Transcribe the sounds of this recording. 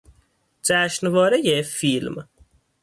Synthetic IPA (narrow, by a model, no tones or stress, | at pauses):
d͡ʒæʃnvɒːɾejefilm